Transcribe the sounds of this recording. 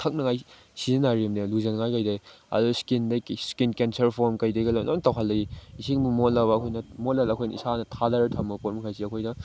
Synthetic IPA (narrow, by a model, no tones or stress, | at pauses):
tʰak̚nɐŋaj | sizenaɾiimdeluzɐnŋajkajdej | ɐ̰duskindɐskinkensɐɾpʰoɾmkɐjdɐɡelɐnontawɦalːɐiisiŋbumotlabɐːkʰojnɐmot̚lalɐːkʰojnɐ̰isanɐtʰadaɾɐtʰɐmɐpot̚mɐkʰajsiɐkʰojnɐ